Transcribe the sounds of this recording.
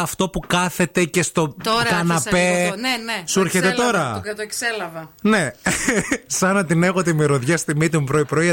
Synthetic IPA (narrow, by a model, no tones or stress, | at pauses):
ɐft̪o̞pukɐθe̞t̪e̞ce̞st̪o̞ɾkɐnɐpe | suɾçet̪et̪o̞ɾɐt̪okselɐvɐne̞ | sɐnɐt̪ine̞ɣot̪imiɾoðʝɐst̪imit̪umpɾoipɾoiɐ